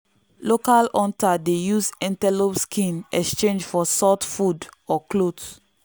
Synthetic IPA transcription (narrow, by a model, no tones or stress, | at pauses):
lokalɔ̃ntadejusɛ̃ntɛlopskʰĩnɛ̰kst͡ʃẽnd͡ʒfɔsɔtfudɔklods